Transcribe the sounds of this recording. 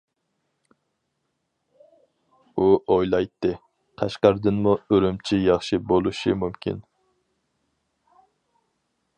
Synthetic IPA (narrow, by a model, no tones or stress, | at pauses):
uojlˠɑjt̪ːɨ | q̪ʰɑʃqɑɾd̪ɨnmuøɾymt͡ʃʰijɑχʃibolˠuʃimumkʲḭn